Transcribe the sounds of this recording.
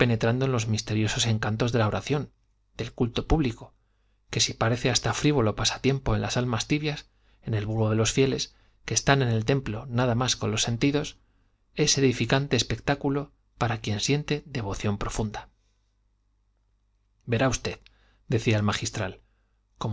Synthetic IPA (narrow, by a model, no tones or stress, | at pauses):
pe̞ne̞t̪ɾand̪o̞enlo̞zmist̪e̞ɾjo̞so̞se̞ŋkant̪o̞zðe̞lao̞ɾʔaθjo̞n | d̪̥e̞lkult̪o̞puβliko̞ | ke̞sipaɾe̞θeast̪afɾiβo̞lo̞pasḁt̪je̞mpo̞enlasalmast̪iβjas | e̞ne̞lβuɾoðe̞lo̞sfje̞le̞s | keːst̪ane̞ne̞lt̪e̞mplo̞naðamasko̞nlo̞sːe̞nt̪iðo̞s | e̞se̞ðifikant̪e̞ːspe̞k̚t̪akulo̞ | paɾakje̞nsje̞nt̪eðe̞βo̞θjo̞mpɾo̞fund̪a | be̞ɾaust̪e̞ð | d̪e̞θiaelmaxist̪ɾal | ko̞m